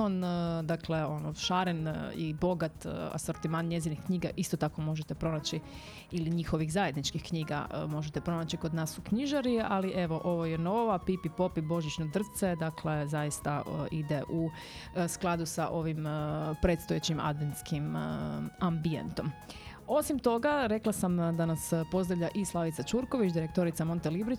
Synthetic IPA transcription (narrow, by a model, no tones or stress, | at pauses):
ond̪akle̞onoʃaɾenḭbo̞ɡat̪a̰soɾt̪imaːnɲje̞zinixkɲiːɡaʔist̪ot̪ako̞mo̞ʒet̪epɾo̞nat͡ɕi | iliɲixo̞ʋiɣzaje̞d̪nit͡ʃkixkɲiːɡa̰mo̞ʒet̪epɾo̞naːt͡ɕikod̪naːsukɲiʒaɾialiʔe̞ʋo̞ʔo̞ʋojeno̞ːʋapipipo̞pibo̞ʒit͡ɕnod̪r̩t̪se̞d̪akle̞zajist̪aid̪eʔu | sklˠad̪usaʔo̞ʋimpɾe̞ːt̪st̪ojet͡ɕima̰d̪ʋent̪skim | ambie̞̰nt̪o̞m | o̞simt̪o̞ɡaɾe̞klasamd̪anaspo̞zd̪ɾaʋʎaʔislˠaʋit̪sat͡ʃuɾko̞ʋit͡ʃd̪iɾe̞kt̪o̞ɾit̪samo̞nt̪elibɾi